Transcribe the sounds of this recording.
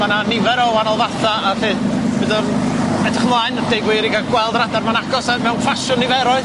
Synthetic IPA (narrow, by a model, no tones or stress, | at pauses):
mananɪvɛɾɔwanɔlˠvarθaːfɪːdbɨðɔnɛdɪχmlˠaːɨnd̥ejɡweɾiɡaɡwɛlˠdradarmanaɡɔsamɛwnfaʃʊnivɛɾɔɨð